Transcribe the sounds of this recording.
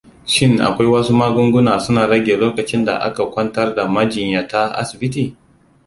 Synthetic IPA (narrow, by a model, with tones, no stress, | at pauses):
ʃɪ˦ŋʔa̰˨kʷa˦jwɐ˦su˦maː˦ɡʷʊ˦ŋɡʷʊ˦naː˨sʊ˦naː˨ɽɐ˦ɡʲeː˨loː˦kɐ˨t͡ʃɪ˦nda̰˨ʔa̰˦ka˨kʷɐ˦ntɐ˦rda˨mɐ˦d͡ʒɪ˨ɲjaː˨ta˦ʔa̰˦sɪ˨bɪ˦t̬iː˨